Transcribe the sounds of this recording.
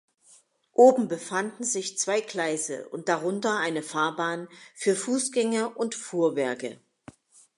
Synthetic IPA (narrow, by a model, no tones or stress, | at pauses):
ʔoːbm̩bəfandn̩zɪçt͡sv̥aɪkl̥aɪzə̰ʔʊ̰nt̚d̥aʁʊntɐʔaɪnəfaːɐbaːnfyːɐfuːsɡ̥ɛŋɐʔʊntfuːɐvɛɐkə̰